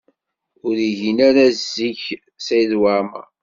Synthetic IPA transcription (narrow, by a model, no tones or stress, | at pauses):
ʊɾiʝinæɾæzːiç | sæjðwaɾmæ̰